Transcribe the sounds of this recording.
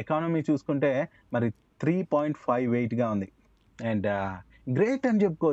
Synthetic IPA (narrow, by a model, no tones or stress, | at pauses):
ekaːnɐmiːt͡ʃuːsu̥kuɳʈe̞ː | mɐɾi | t̪ʰɾiːpaːjiɳʈpʰɐjʋːeːʈɡaːund̪i | ɛɳɖ | ɡɾeːʈɐnit͡ʃep̬ːu̥ko